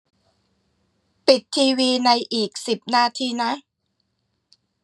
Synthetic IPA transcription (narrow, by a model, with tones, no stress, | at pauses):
pi˨˩t̪ʰːiː˧wiː˧na˧jʔiː˨˩k̚si˨˩p̚naː˧t̪ʰiː˧na˦˥ʔ